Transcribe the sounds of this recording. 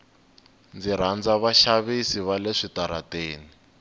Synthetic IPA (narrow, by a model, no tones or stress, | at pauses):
nd͡ziɾ̤and͡zaβaʃaβisiβaleʂitaɾateːni